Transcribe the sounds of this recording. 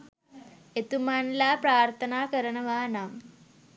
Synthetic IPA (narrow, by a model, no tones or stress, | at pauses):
et̪umanlapɾaːɾt̪ʰɐnaːkəɾɐɳɐʋaːnam